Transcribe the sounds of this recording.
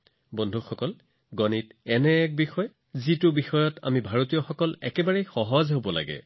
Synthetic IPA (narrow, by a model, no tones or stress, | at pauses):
bɔndʱuxɔkɔl | ɡɔnitɛnɛːk̚bixɔj | zitʊbixɔjɔta̰mibʱaɹotijɔxɔkɔlɛkɛbaɹejxɔɦɔzɦobɔla̰ɡɛ̰